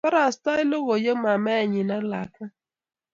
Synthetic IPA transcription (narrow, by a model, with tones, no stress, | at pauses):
fa˦ɾa˨sta˦ɪ˦lo˦ɣo˨jə˦ma˨mɛ˦˨ɲi˨na˦la̰˨ka˦